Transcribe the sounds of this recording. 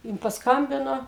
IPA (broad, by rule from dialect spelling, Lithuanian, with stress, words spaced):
ˈjɪn pɐsˈkɐmʲbʲɪnoː